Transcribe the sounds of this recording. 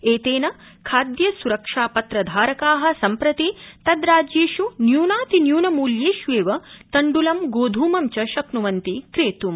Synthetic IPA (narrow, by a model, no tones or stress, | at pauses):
eːt̪eːnɐ | kʰaːd̪jɐsuɾɐkʂaːpɐt̪ɾɐd̪ʱaːɾɐkaːɦɐ̆sɐmpɾɐt̪it̪ɐd̪ɾaːd͡ʒeːʃunjuːnaːt̪injuːnɐmuːljeːʃʋeːʋɐt̪ɐɳɖulɐmɡoːd̪ʱuːmɐmt͡ʃɐʃɐknuʋɐnt̪ikɾeːt̪um